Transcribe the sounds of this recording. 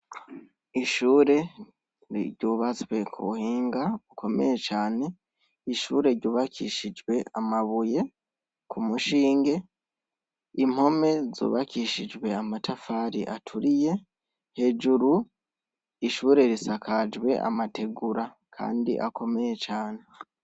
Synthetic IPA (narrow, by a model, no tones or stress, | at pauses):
iʃuːɾe̞ | ɾḭɾɟuːβat͡swe̞kʰuβuhiːŋɡaukʰo̞me̞je̞t͡ʃaːne̞ | iʃuːɾe̞ɾɟuːβakʰḭʃid͡ʒwe̞amaβuje̞ | kʰumuʃiːŋɡe̞ | im̥ho̞me̞zo̰ːβakiʃid͡ʒɡwe̞amatʰafaːɾiʔatʰuɾije̞ | he̞d͡ʒuɾu | iʃuːɾe̞ɾisakʰad͡ʒwe̞̰ʔa̰matʰe̞ɡuɾa | kʰa̰ːndḭʔa̰ko̞me̞je̞t͡ʃaːne̞